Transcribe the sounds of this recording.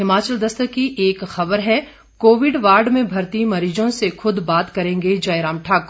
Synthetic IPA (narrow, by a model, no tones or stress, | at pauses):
ɦɪmaːt͡ʃəld̪ɐst̪əkiʔeːkxɐbəɾɦɛ | koːʋɪɖʋaːɾɖmẽbʱɐɾt̪imɐɾiːd͡ʒõsexʊd̪baːt̪kɐɾẽːŋɡed͡ʒaːeɾaːmʈʰaːko